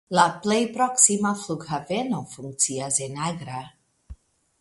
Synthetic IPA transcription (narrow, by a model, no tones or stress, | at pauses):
laplejpɾɔksimafluɡhavenofuŋk̚tt͡siazenaɡɾa